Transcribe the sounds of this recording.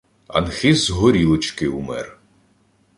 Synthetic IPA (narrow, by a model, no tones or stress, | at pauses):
ɐ̰nxɪzɦɔɾʲilˠɔt͡ʃkɪumɛ̰r